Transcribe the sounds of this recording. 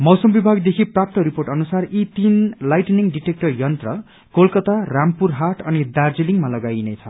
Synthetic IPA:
mʌwsʌmbibʱaɡd̪ekʰiprap̚t̪ʌɾiporʈʌnusarit̪inlajʈniŋɖiʈek̚ʈʌrjʌnt̪rʌ | kolkʌt̪arampuɾɦaʈʌnid̪ard͡ziliŋmalʌɡajnʌjt͡sʰʌ

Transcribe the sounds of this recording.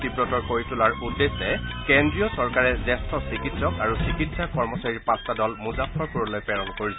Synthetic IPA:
tipɹɔtɔɹkoɹitulaɹudːesɛkɛndɹijɔsɔɹkaɹɛzɛstʰɔsikitsɔkaɹusikitsakɔɹmɔsaɹiɹpastadɔlmuzapʰːɔɹkuɹɔlojpɛɹɔnkoɹisɛ

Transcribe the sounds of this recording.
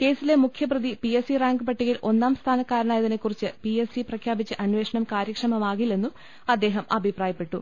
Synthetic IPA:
ke̞ːsilemukʰjɐprɐðipiesiraːŋɡɨpɐʈːiɣilʔo̞nːaːmst̪ʰaːnɐkːaːɾɐɳaːjɐðine̞kːurit͡ɕːɨpiesiprɐkʰjaːbit͡ɕːɨʔɐnʋe̞ːʂɐɳɐmkaːɾjɐkʂɐmɐmaːɣilːe̞nːum | ɐd̪ːe̞ːɦɐmɐ̰bʱipraːjɐpːe̞ʈːu

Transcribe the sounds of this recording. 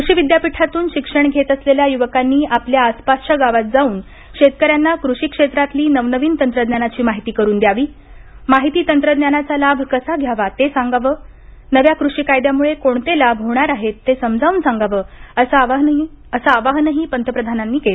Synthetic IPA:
kɾuʂiːʋid̪japiʈʰat̪uːnɕikʂəɳɡʱet̪əsleljajuʋəkanːiːʔapljaːspast͡ɕaɡaʋat̪̚d͡zauːn | ɕet̪̚kəɾjanːakɾuʂiːkʂet̪ɾat̪liːnəʋnəʋiːnt̪ənt̪ɾəd̪njanat͡ɕiːmaɦit̪iːkəɾuːnd̪jaʋiːmaɦit̪iːt̪ənt̪ɾəd̪njanat͡salabʱkəsaɡʱjaʋat̪esãŋɡaʋəː | nəʋjakɾuʂiːkajd̪jamuɭekoɳt̪elabʱɦoɽ̃aɾaɦet̪ːesəmd͡zʱauːnsaŋɡaʋəːəsaʋaɦɦi | əsaːʋaɦnəɦiːpənt̪ʰəpɾəd̪ʱananːiːkele

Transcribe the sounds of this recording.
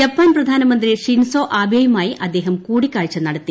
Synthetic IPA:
d͡ʑɐpːaːnprɐd̪ʱaːnɐmɐnd̪riʂinsoːʔaːbʱjejumaːjiʔɐd̪ːe̞ːɦɐmkuːɽikʲːaːɻit͡ɕːɐnɐɽɐt̪ːi

